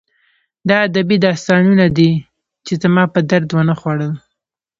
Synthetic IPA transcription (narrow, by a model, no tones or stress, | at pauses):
d̪ɑad̪abid̪ɑst̪ɑnunad̪i | t͡ʃezəmɑpəd̪aɾd̪wənaxwɑɽəl